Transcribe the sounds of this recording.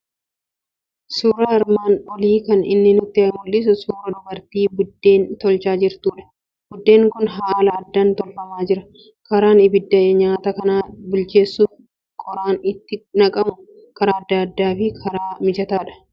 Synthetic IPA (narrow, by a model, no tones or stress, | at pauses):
suːɾɐɐɾmaːnɔliːkɐnɪnːɪnʊt̪ːɪɐmʊlːɪs̬ʊsuːɾɐd̪ʊbɐɾt̪iːbʊd̪ːeːnt̪ɔlt͡ʃaːd͡ʒɪɾt̪uːᶑɐ̥ | bʊd̪ːe̞ːŋkʊnɦaːlɐːd̪ːant̪ɔlfɐmaːd͡ʒɪɾɐ | kɐɾaːnɪbɪd̪ːɐɲaːt̪ɐkɐnaːbʊlt͡ʃe̞ːsːuːf | kʼɔɾaːnɪt̪ːɪnɐkʼɐmʊ | kɐɾaːɐd̪ːɐɐd̪ːaːfɪkʰɐɾaːmɪd͡ʒɐt̪aːᶑɐ̥